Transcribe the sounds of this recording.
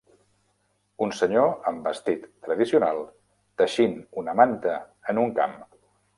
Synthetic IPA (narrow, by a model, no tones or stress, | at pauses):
unsəɲoəmbəst̪it̪ːɾəðisiunalˠ | t̪əʃinunəmant̪əː | nuŋka̰m